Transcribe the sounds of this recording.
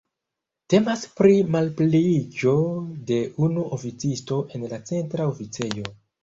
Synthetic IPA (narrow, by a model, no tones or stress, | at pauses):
te̞maspɾimalplid͡ʒo̞de̞ʔunuʔofit͡sisto̞ʔe̞nlat͡se̞ntɾaofit͡se̞jo̞